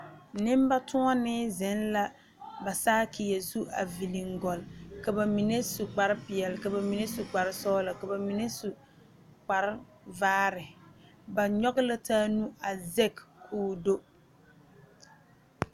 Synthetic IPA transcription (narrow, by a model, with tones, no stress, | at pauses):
nɪ˦m˦ba˦tʰʊ˦ŋa˦nɪ˦zɪ˨˦nla˦ | ba˨saː˦kʰɪ˨ja˨zu˦ʔa̰˨vi˨li˨ŋɡɔ˨lka˨ba˨mi˨ne˦su˨k͡pa˨ɾɪ˦pɪ˨ɛ˨lka˨ba˨mi˨ne˦su˨k͡pa˨ɾɪ˦sɔː˦la˨ka˨ba˨mi˨ne˦su˨ | k͡pa˨ɾɪ˦ | vaː˦ɾɪ˨ | ba˨ɲɔ˦ɡɪ˦la˦taː˦nu˦a˨zɛ˦kkʰuː˨˦do˦